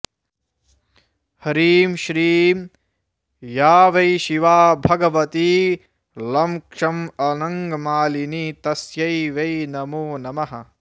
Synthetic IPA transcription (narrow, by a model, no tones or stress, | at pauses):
hɐɾiːmʃɾiːm | jaːʋɐjʃiʋaːbʱɐɡɐʋɐt̪i | lɐmkʂɐmɐnɐŋɡɐmaːlinit̪ɐsjɐjʋɐjnɐmoːnɐmɐɦɐ̰